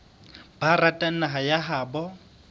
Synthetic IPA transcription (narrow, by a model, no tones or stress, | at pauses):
baratʼan̩naɦajaɦaːbɔ